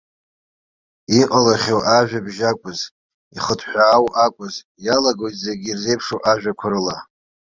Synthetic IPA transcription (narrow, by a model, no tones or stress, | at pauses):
iqʼalaχʲowʔaʒᶣabʒakʷʼʊz | iχətʰʼħʷᶣaːwʔakʷʼʊz | jalaɡo̞jtʼzeɡʲirze̞jpʰʂowʔaʒᶣakʷʰʊɾɨla